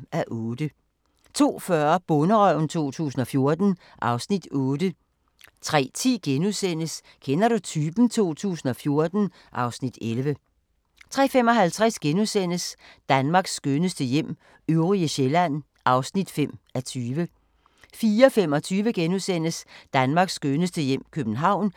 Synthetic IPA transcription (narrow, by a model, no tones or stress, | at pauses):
æʔɔ̽ːd̥ə | t͡sʰo̝̰ːfɶɐb̥ɔ̽nəʁœʊ̰n̩t͡sʰo̝̰ːt͡sʰṵːs̬n̩ɒ̽fjo̝ɐd̥n̩ | ʔɑ̈ʊsnid̥ɔ̽ːd̥ə | t͡sʰʁɛ̰ːt͡sʰḭːɡ̥enuðˠsen̰əs | kʰenɐɾ̥ut͡sʰyːb̥n̩t͡sʰo̝̰ːt͡sʰṵːsn̩ɒ̽fjo̝ɐd̥n̩ | ʔɑ̈ʊsnid̥elʋə | t͡sʰʁɛ̰ːfemɒ̽ɦælt͡sʰʁasɡ̥enusen̰əsd̥ænmɑ̈ɡ̥sːɡ̥ønəsd̥əjem̰ | øʊʁiəɕelæn̰ | ʔɑ̈ʊsnid̥fem̰æt͡sʰyːʋə | fiːɐfemɒ̽t͡sʰyːʋəɡ̥enusen̰əsd̥ænmɑ̈ːɡ̥sːɡ̥ønəsd̥əjem̰kʰøb̥n̩ɦɑ̈ʊ̰n